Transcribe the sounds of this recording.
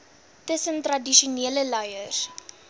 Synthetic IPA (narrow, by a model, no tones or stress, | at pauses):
təsəntrɐdiʃuniələlɐjər